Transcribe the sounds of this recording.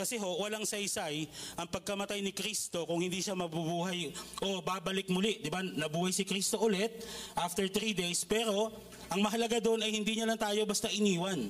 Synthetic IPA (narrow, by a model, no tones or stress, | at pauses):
kɐsɛɦo̞ʔwɐlaŋsɐjsajʔɐŋpɐɡ̚kɐmɐt̪ajnɪkɾist̪o̞kʊŋhɪnd̪iːʃamɐbubuːɦɐjʔo̞babɐlɪk̚mʊlɪʔd̪ɪbanɐbuːhɐjsɪkɾist̪o̞ʔʊlɛt̪̚ʔaft̪ɛɹt̪ɾiːd̪ejspɛːɾo̞ | ʔɐŋmɐɦɐlɐɡad̪oʔnɐjhɪnd̪iɲɐlaŋt̪aːjo̞bɐst̪aʔɪniːwɐn